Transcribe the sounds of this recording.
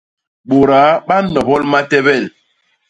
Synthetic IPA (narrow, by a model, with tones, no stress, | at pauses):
ɓo˨ɾa˨˦ɓa˦nɔ˨bɔ˦lma˦tɛ˦bɛ˦˨l